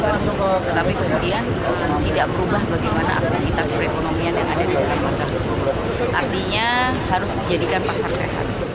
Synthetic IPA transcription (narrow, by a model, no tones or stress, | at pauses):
laŋsut̪ət̪apikəmudian | əmt̪idaʔbəɾubahbəɾat̪imana̰ʔa̰panaŋit̪aspəɾekonomianjaŋadadidalampasarəsuɾʊt̪̚ | ʔa̰rt̪iɲa | haɾʊsməd͡ʒadikanpasarsḛɦa̰t̪̚